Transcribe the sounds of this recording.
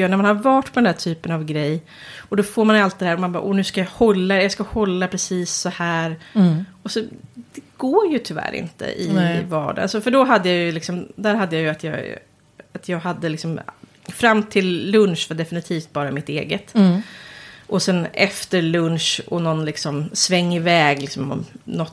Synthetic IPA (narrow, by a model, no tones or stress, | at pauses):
næmanhaɾvɑːʈpʰɔd̪ɛnd̪æʈʰyːpənavɡɾɛjː | ɔd̪ɔfoːɾmanjalt̪̚d̪ɛhæːɾɔmanbɑ̰ːʔɔnʉ̟ːskajɑhɔlːajɑskahɔlːapʰɾɛsiːsːɔhæːɾɔsɔd̪̥ɛɡ̥oːɾjɵt̪ʰʏvæ̰ːɾɪ̰nt̪ə̰ʔɪ̰vɑ̰ːɖaa̰lsɔfœɖɔɦad̪ːəjajɵlɪksɔmd̪æːɾɦad̪ːəjajɵat̪ʰjɑ̰ːɡ | at̪ʰjɑːɡɦad̪ːəlɪksɔm | fɾamːt̪ʰɪlːɵnʂvad̪ɛfɪnɪt̪ʰiːft̪̚bɑːɾamɪt̪ḛːɡət̪ | ʔɔsɛnɛft̪əɾlɵnʂɔ̰nɔnlɪksɔmsvɛŋːɪvɛːɡlɪksɔmɔ̰nɔt̪ː